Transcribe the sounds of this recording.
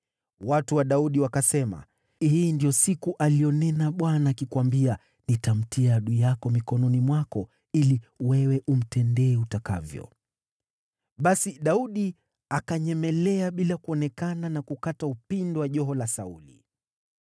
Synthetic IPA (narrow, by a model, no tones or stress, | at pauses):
watuwaɗauɗiwakasɛma̰ | hiːndijɔsikuʔalijɔnɛnaɓwanaːkikwambia | nitam̩tiaɗujakɔmikɔnɔnimwakɔ | iliwɛwɛʔum̩tɛndɛːutaka̰vjɔ̰ | ɓasiɗauɗi | akaɲɛmɛlɛaɓilakuɔnɛkananakukataupindɔwaʄɔɦɔlasaulḭ